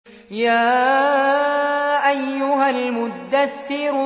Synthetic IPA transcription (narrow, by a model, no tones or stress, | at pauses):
jaː | ʔajːʊɦalmʊd̪ːaθːɪɾ